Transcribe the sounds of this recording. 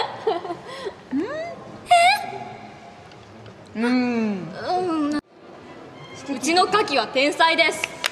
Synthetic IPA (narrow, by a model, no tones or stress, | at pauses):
ɯ̃he | ɯ̃ | ɯt͡ɕino̞kakʲiβat̪ẽ̞ɰ̃said̪e̞sɨ̥